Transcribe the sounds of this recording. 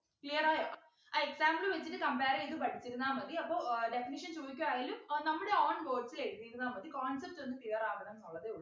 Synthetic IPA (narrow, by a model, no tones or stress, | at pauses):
klijɐraːjaː | aeksaːmbluʋɐt͡ɕːiʈːɨkɐmpaːɾiiðɨpɐʈʰit͡ɕːiɾunːaːmɐd̪iɐpːo̞ːde̞finiʂɐnt͡ɕoːðikʲːuʋaːjiːlumnɐmːuɽeoːɳʋoːsileːʈpiːɾunːaːmɐd̪ːikaːnsɐrtːɨenːɨkijɐraːʋɐɳɐnnuɭːɐðeuɭː